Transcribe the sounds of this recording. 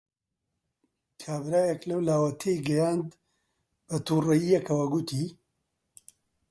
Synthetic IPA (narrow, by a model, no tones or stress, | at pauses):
kʰaːbɾaːjɐklɐwlaːwɐt̪ʰejɡɐjaːnd̪ | b̥ɐt̪uːrɐjijɐkʰɐwɐɡut̪ʰiː